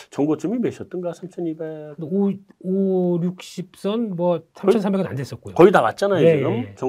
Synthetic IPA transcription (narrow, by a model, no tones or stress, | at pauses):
t͡ɕʌŋɡot͡ɕ͈ɯmimeɕʰʌt̚t͈ɯnɡasʰamt͡ɕʰʌnibekndeooɾjuk̚ɕ͈ip̚s͈ʌnmwʌsʰamʰʌnsʰambe̞ɡɯna̰ndes͈ʌt̚k͈ojokʌidaɡat̚t͡ɕ͈anajojeomet͡ɕʌ